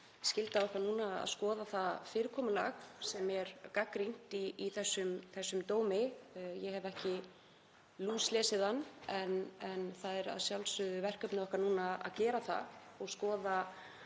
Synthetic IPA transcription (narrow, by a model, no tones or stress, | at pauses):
scɪlt̪aɔhkvaɾnuːnaːa̰ðskɔːðaθafɪːɾɪkʰɔːmʏlaxsɛmɛɾkakɾin̥t̪iːθɛsːʏmθɛsːʏmt̪oːwmɪjɛhɛvɛhcɪ | luːslɛːsɪðanːɛnɛnθaðɛɾa̰ðsjawlsʏðʏvɛr̥kœpnɪɔhkaɾnuːnaa̰ðcɛːɾaθa̰ɔɣskɔːða